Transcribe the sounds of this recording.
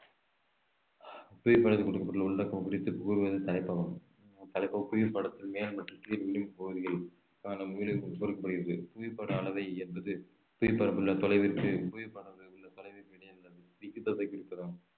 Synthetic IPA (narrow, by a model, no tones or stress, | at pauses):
puːjpːɐɽɐðɯkɔɽɯkːɐpːɐʈːɪɐlʊɭːɐkːɐmkɪɽɪt̪ːɯpʊuɾɯʋɐðɯt̪ɐlɐɪpːɐɣɐm | t̪ɐlɐɪpːɐpuːjɪpːɐɽɐt̪ːɪlmeːlmɐʈːrɯt̪ːiɾʋɪlɪmpoɯðɪɣɐl | kaːnɐmʊjɪlɯkoɽɯkːɐpːɐɽɯɣɪɾɐðɯpuːjɪpːɐɽɐːlɐðɐɪɛnbɐðɯ | pʊːjɪpːɐɾɐmɯlːɐt̪ɔlɐɪʋɪɾtːɯpujɪpːɐɽɐɯʊlːɐt̪ɔlɐɪʋɪɾʋɪɽɐjɐlːɐðɯʋɪkːɯt̪ːɐðɐɪkːɪɽɪt̪ːɐðɯ